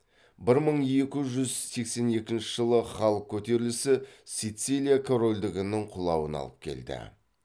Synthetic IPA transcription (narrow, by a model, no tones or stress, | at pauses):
bɪɾməɴje̞kʲɪʒʏzse̞kse̞ne̞kʲɪnʃɪʒəlˠəχɑlˠəq̚kʲʰɵt̪e̞ɾɪlɪsɪsijt̪silʲijakʰo̞ɾo̞lʲd̪ɪɡʲɪnɪɴqʰʊlˠɑwənɑ̰lˠəp̚kʲʰe̞̰ld̪ɪ̰